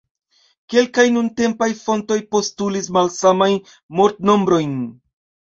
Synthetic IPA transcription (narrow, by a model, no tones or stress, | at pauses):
ke̞lkajnunte̞mpajfo̞nto̞jpo̞stulismalsamajn | mo̞ɾtno̞mbɾo̞jn